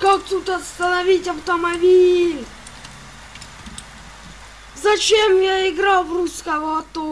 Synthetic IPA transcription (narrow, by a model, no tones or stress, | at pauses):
kakt̪ut̪ɐst̪ənɐvʲitʲɐft̪əmɐbʲilʲ | zɐt͡ɕemjaɪɡɾalˠvrusʲkɐvot̪o